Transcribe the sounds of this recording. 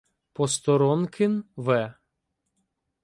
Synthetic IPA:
pɔst̪ɔɾɔnkʰɪnʋɛ

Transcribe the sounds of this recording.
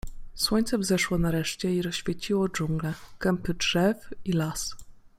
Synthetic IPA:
swɔɲʲt̪sɛvzɛʂwɔnaɾɛʂt͡ɕɛiɾɔɕfʲjet͡ɕiwɔd͡ʐuŋɡlɛkɛmpɘdʐɛfilas

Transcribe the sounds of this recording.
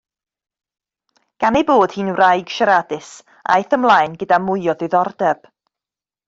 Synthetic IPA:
ɡ̥anejboːd̥hiːnrajɡ̥ʃaɾadɪs | ʔa̰ajθəmlˠajnɡədamʊɨɔðɨðɔrdɛb̥

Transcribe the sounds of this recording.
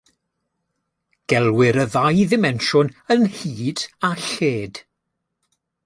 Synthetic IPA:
ɡ̥ɛlˠwɪɾəðajðɪmɛnʃʊnənhiːd̥aɬeːd̥

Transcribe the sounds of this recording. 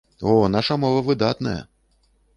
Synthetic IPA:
ɔnaʂɐmɔvɐvɨd̪at̪nɐjɐ̰

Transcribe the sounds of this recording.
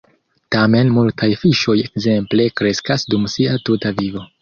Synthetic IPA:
tame̞nmultʰajfiʃo̞je̞kze̞mple̞kɾe̞skasdumsiatutavivo̞

